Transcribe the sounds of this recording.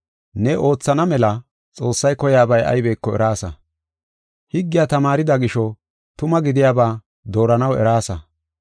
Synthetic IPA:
nɛʔo̞ːt͡sːɐnɐmɛlɐ | t͡sʼo̞ːsːɐjkɔjaːbɐjɐ̰jbeːkːɔɛ̰ɾaːsɐ̰ | hɪɡːɪjaːt̪ɐmaːɾɪd̪ɐɡɪʃɔ | t̪ʊmɐɡɪd̪ɪjaːbaː | d̪o̞ːɾɐnɐwɛ̰ɾaːsɐ

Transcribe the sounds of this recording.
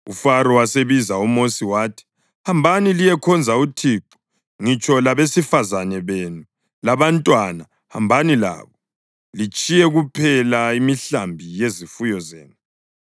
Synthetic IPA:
ufaɾɔwaseβizaumosiwaːtʰi̥ | hambʱanilijɛkʰɔnd͡zʱautʰiːǃu̥ | ŋit͡ʃʼɔlaβesifazanɛβenu | laβantʼwana | ha̰mbʱanila̰ːβɔ | lit͡ʃʼijɛɣupʰɛlaimiɬambʱijezifujɔzḛːnu

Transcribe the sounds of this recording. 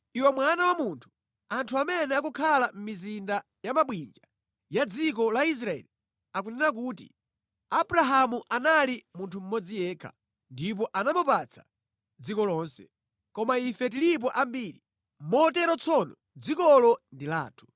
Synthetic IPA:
iwɛmwanawamuntʰu̥ | antʰuamɛnɛakukʰalam̩mizinda | jamaɓwind͡ʒa | jad͡zik̬ɔlais̬ɾaɛ̰li | ak̬unɛɾak̬uːtḭ | abuɾaɦamuʔanalimuntʰum̩mɔd͡zijɛːkʰa̰ | ndipɔʔanamupat͡sʰḁ | d͡zikɔlɔːnsɛ̥̰ | kɔmaifɛt̬ilip̬ɔʔambiːɾi | mɔtɛɾɔt͡sʰɔnɔ | d͡zikɔlɔndila̰ːtʰu̥

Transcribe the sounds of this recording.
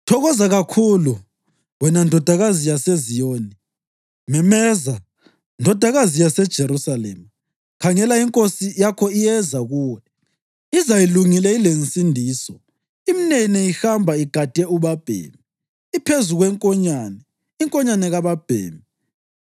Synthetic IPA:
tʰɔɣɔzaɣakʰulu | wɛnandʱɔd̥ʱaɣazijasezijoːni | mɛmɛza | ndʱɔd̥ʱaɣazijasɛd̥ʒ̥ʱeɾusalɛ̰ma | kʰaŋɛlaiŋkʼosijakʰɔijɛzaɣuːwɛ | izajiluŋilɛilensʼindʱiːsɔ | iminɛnɛihambʱaiɡ̥ʱad̥ʱʼɛuβab̥ʱḛmi | ipʰezuɣwɛŋkʼɔɲanɛ | iŋkʼɔɲanɛɣaβab̥ʱḛːmi

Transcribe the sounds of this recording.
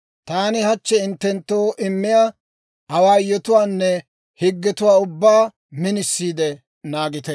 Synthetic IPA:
t̪aːnɪhɐt͡ʃːɛɪnt̪ːɛnt̪ːoːʔɪmːɪja | hɐwaːjɔt̪ʊwaːnːɛ | hɪɡːɛt̪ʊwaːʊbːaː | mɪnɪsːiːd̪ɛ | naːɡɪt̪ɛ

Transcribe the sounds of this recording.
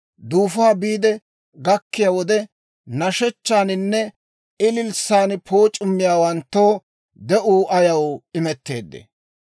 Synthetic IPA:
d̪uːfaːbiːd̪ɛ | ɡɐkːɪjaːwɔd̪ɛ | nɐʃɛt͡ʃːaːnɪnːɛ | ɪlɪlsaːnpʰo̞ːt͡ʃʼʊmːɪjaːwɐnt̪ːoː | d̪ɛʔuːʔɐjɐwɪmɛt̪ːe̞̰ːd̪ːḛ

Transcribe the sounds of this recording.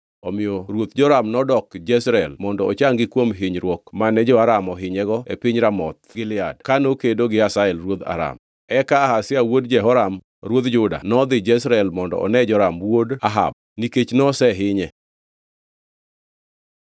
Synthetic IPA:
ɔmɪoɾwot̪d͡ʒɔɾamnɔdɔkd͡ʒɛsɾɛlmɔndɔːt͡ʃaŋɡɪkwomɦɪɲɾwɔkmanɛd͡ʒɔaɾamɔɦɪɲɛɡɔepɪɲɾamɔt̪̚ɡɪlɪa̰dkanokedoɡɪasaɛlɾwod̪a̰ɾa̰m | ɛkaːɦasɪawodd͡ʒɛɦɔɾam | ɾwod̪d͡ʒʊda̰nɔd̪ɪd͡ʒɛsɾɛlmɔndɔ̰ɔ̰nɛd͡ʒɔɾamwodaɦa̰b̚niket͡ʃnɔsɛɦɪɲɛ

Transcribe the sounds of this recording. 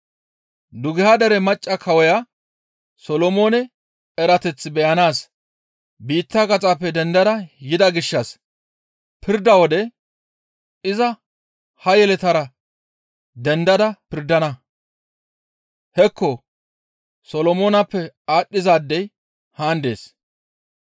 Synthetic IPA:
d̪ʊɡɪhad̪ɐɾɛmɐt͡ʃʼːɐkʰɐwɔja | sɔlɔmo̞ːnɛ | ɛɾɐt̪ɛt͡sːɪbɛjɐnaːs | biːt̪ːɐkɐt͡sʼaːpːɛd̪ɛnd̪ɐd̪ɐjɪd̪ɐɡɪʃːɐs | pʰɪɾd̪ɐwɔd̪ɛ | ɪzɐ | hɐjɛlɛt̪ɐɾɐ | d̪ɛnd̪ɐd̪ɐpɪɾd̪ɐnɐ | hɛkːɔ | sɔlɔmoːnɐpːɛaːɗːɪzaːd̪ːɛj | haːnd̪e̞̰ːs

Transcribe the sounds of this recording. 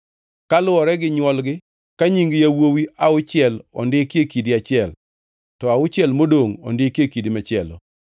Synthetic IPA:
kalʊɔɾɛɡɪɲwɔlɡɪ | kaɲiŋɡjawowiaʊt͡ʃɪɛlɔ̰ndɪkjekidɪat͡ʃɪɛl | tɔaʊt͡ʃɪɛlmodoŋɔ̰ndɪkekidimat͡ʃɪɛlɔ̰

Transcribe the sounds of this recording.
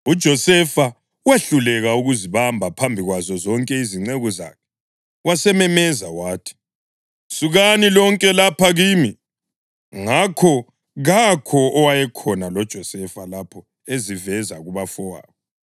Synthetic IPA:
ud̥ʒ̥ʱɔsɛfa | weɬulɛɣauɣuziβambʱapʰambʱiɣwazɔzɔŋkʼɛiziŋ͡ǀeɣɔza̰kʰɛ̥ | wasɛmɛmɛzawaːtʰi̥ | suɣanilɔŋkʼɛlapʰaɣiːmi | ŋakʰɔ | ɣakʰɔʔɔwajɛkʰɔnalɔd̥ʒ̥ʱɔsɛfalapʰɔ | ezivɛzaɣuβafɔwa̰ːβɔ

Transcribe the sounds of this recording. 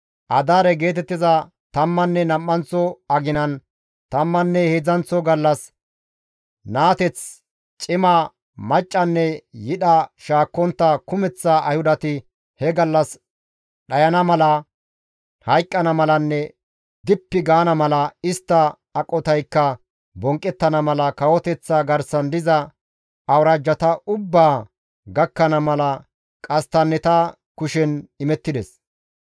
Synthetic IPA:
ʔɐd̪aːɾɛɡe̞ːt̪ɛt̪ːɪzɐ | t̪ɐmːɐnːɛnɐmːɐnt͡sːɔɐɡɪnɐn | t̪ɐmːɐnːɛhed͡zɐnt͡sːɔɡɐlːɐs | naːt̪ɛt͡s | t͡ʃʼɪmɐ | mɐt͡ʃʼːɐnːɛjɪɗɐʃaːkːɔnt̪ːɐkʊmɛt͡sːɐʔɐ̰jhʊd̪ɐt̪ɪ | hɛɡɐlːɐs | ɗɐjɐnɐmɐlɐ | hɐjkʼːɐnɐmɐlɐnːɛ | d̪ɪpːɪɡaːnɐmɐlɐɪst̪ːɐː | kʼːɔt̪ɐjkːɐ | bɔŋkʼːɛt̪ːɐnɐmɐlɐkɐwɔt̪ɛt͡sːaɡɐɾsɐnd̪ɪzɐ | ɐwɾaːd͡ʒːɐt̪ɐʊbːaː | ɡɐkːɐnɐmɐlɐ | kʼɐst̪ɐnːɛt̪ɐ | kʊʃɛnɪmɛt̪ːɪd̪ɛs

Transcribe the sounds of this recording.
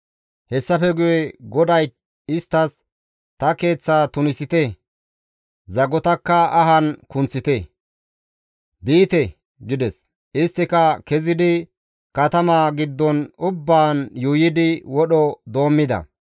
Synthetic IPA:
hɛsːɐfɛɡʊjɛɡɔd̪ɐj | ɪst̪ːɐs | t̪ɐke̞ːt͡sːaːt̪ʊnɪsɪt̪ɛ | zɐɡɔt̪ɐkːɐɐɦɐnkʊnt͡sːɪt̪ɛ | biːt̪ɛ | ɡɪd̪ɛs | ɪst̪ːɪkɐkɛzɪd̪ɪ | kɐt̪ɐmaːɡɪd̪ːɔnʊbːaːnjuːjɪd̪ɪwɔɗɔd̪o̞ːmːɪd̪ɐ̰

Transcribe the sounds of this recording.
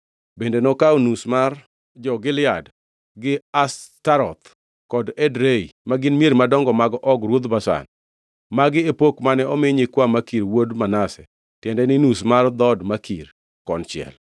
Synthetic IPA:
bendenɔkaonusmar | d͡ʒɔɡɪlɪad | ɡɪastaɾɔ̰t̪ | kɔdɛdɾeimaɡɪnmieɾmadɔŋɡɔmaɡʔɔɡɾwod̪basa̰n | maɡɪepokmanɛɔmɪɲɪkwamakiɾwodmanasɛ̰ | tjɛndɛnɪnusmard̪ɔdmakʰir | kɔnt͡ʃɪɛ̰l

